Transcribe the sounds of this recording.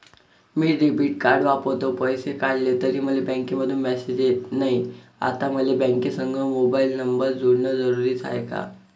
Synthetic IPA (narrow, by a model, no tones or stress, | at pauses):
miːɖibiːʈkaɾɖʋapot̪opəjsekaɽlet̪əɾiːm̤əlebə̃ŋkeməd̪ʱːuːnmɛsed͡ʑjet̪naɦia̰t̪aməlebə̃ŋkesəŋɡʱəmobailnəmbəɾd͡zoɽɳəd͡zəɾuɾiːd͡zʰa̰jka̰